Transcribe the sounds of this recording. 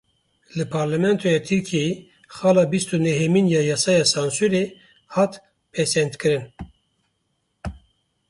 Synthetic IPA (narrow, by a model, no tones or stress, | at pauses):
lɨpʰɑɾlɛmɛnt̪ʰojɑt̪ʰɨɾkʰijeji | xɑːlɑːbist̪unɛɦeminjɑːjɑːsɑːjɑːsɑnsuɾe | hɑt̪ | pʰɛsɛnt̪kɨɾɨn